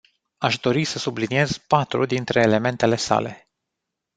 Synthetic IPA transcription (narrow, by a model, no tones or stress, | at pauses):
aʃd̪o̞ɾisəsublinije̞z̥pat̪ɾṵd̪int̪ɾe̞ːle̞me̞nt̪e̞le̞sa̰le̞̰